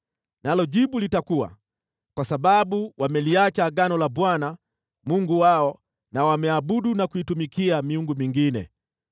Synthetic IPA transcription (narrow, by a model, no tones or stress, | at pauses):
nalɔɟibulitakuwa̰ | kwasababuwʔamɛliat͡ʃaːɡanɔlabwana | muŋɡuwaɔ | nawamɛabuɗunakuitumikiamiuŋɡumiŋɡinɛ̰